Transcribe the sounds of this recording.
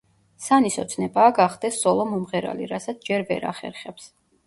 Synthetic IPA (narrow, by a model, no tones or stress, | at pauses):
sanisɔt̪sʰnɛbaːɡaχd̪ɛsːɔlˠɔmumʁɛɾa̰liɾasat̪sʰd͡ʒɛɾvɛ̰ɾa̰χɛ̰ɾχɛps